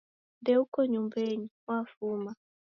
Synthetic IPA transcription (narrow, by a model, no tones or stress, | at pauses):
dɛukɔɲumbɛɲiwafuma